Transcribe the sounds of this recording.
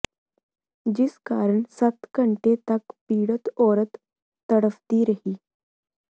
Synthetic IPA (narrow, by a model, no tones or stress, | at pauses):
d͡ʑiːskaɾəɳsət̪kəɳʈet̪akpiːɽət̪oɾət̪ː | əɽəʋt̪iːɾəhiː